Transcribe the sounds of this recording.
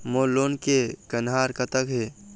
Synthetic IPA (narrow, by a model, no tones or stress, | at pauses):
moloːnkekənɦaːɾkət̪əkɦe